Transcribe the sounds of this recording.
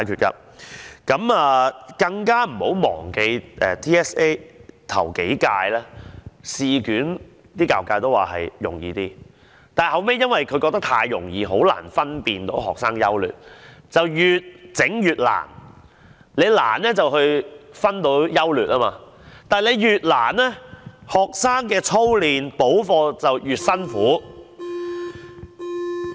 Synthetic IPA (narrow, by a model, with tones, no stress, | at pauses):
aː˨jkʰyː˨t̚ka̰˧ | kɐ˨˥maː˨˧kɐ˧ŋkaː˥m̩˨˩ho˨˥wmɔ̰ː˨˩ŋke˧jʔɛː˨t̪ʰiː˥ɛː˥se˥t̪ʰɐ̰˨˩wke˨˥jkaː˧jlɛː˥siː˨˧kyː˨˥n | t̪iː˥kaː˨˩wkaː˧jt̪o˥waː˨˩ɦɐ̰˨jjʊ̰˨˩ŋjiː˧t̪iː˥ | t̪aː˨hɐ˨wme˥jɐ˥nwɐ˨jkʰɵ˨˧ɥkɔː˧k̚t̪ɐ˥k̚t̪ʰaː˧jjʊ̰˨˩ŋjiː˧ɦo˨˥wla̰ː˨˩nfɐ˥npiː˨nt̪o̰˨˥wɦɔ̰ː˨k̚saː˥ŋjɐ˥wly̰ː˨˩t̚t͡sɐ˨wjyː˨t̚t͡sɪ˨˥ŋjyː˨t̚la̰ː˨˩n | le˨˧jla̰ː˨˩nlɛː˥t͡sɐ˨whɵ˧ɥfɐ˥nt̪o˨˧˥wjɐ˥wlyː˨t̚ʔaː˥maː˧ | t̪aː˨le˨˧jjyː˨t̚la̰ː˨˩nlɛː˥hɔː˨˩k̚saː˥ŋkɛː˧t͡sʰo˥wliː˨npo˨˥wfɔː˧t͡sɐ˨wjyː˨t̚sɐ˥nfuː˨˥